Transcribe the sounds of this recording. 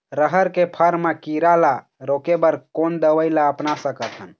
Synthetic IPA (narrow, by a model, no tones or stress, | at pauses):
ɾəɦəɾkepʰəɾmekiɾala | ɾokebəɾkoːnd̪əʋəjlaəpnasəkət̪ʰən